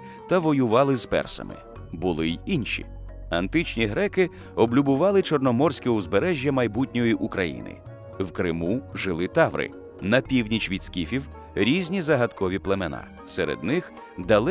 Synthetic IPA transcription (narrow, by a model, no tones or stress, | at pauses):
t̪ɐʋɔjʊʋɑlˠɪzpɛ̰rsɐ̰mɪ̰ | bʊlˠɪjinʲʃʲḭ | ɐnt̪ɪt͡ʃnʲiɦɾɛkɪ | ɔblʲubʊʋɑlˠɪt͡ʃɔrnɔmɔrsʲkʲɛʊzbeɾɛʒʲjɐmɐjbutʲnʲɔjiʔukɾɐjḭnɪ̰ | wkɾɪmuʒɪlˠɪt̪ɑʋɾɪ̰ | nɐpʲiwnʲit͡ʃʋʲid̪skʲifʲiw | ɾʲizʲnʲizɐɦɐt̪kɔʋʲiplˠemenɑ̰ | seɾḛd̪nɪx | d̪ɐlˠ